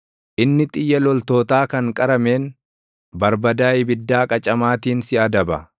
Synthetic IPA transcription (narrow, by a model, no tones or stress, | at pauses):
ʔɪnːɪt̪ʼɪjːɐlɔlt̪o̞ːt̪aːkɐŋkʼɐɾɐme̞ːn | bɐɾbɐd̪aːʔɪbɪd̪ːaːkʼɐt͡ʃʼɐmaːt̪iːnsɪʔɐd̪ɐbɐ̰